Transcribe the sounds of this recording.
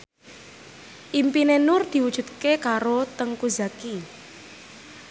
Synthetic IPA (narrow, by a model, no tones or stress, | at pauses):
ʔimpinenʊrd̪̥i̤wud̥ʒ̥ṳd̪̚kekaɾot̪əŋkuzaki